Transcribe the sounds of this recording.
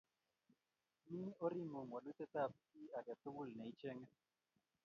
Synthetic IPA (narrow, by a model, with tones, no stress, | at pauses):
mi˦ɔ˦ɾi˦mo˨ŋwa˨lwi˦t̪ɛ˦t̪a˦˨p̚i˦a˨kɛ˨t̪ʊ˦wu˦lnɛ˨i˦t͡ʃɛ˦ŋɛ˦